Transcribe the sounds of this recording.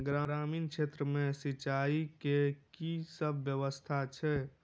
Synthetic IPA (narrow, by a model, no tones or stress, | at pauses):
ɡɾaɾaːmiːnkʃʰet̪ɾəmesit͡ʃaikekisəbʱːjəʋəst̪ʰat͡ʃʰɛ